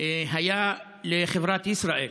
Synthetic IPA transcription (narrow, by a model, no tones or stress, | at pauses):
ɦajaː | lɪxɪbɾˤɑːt̪ʔɪsɾˤɑːʔiːl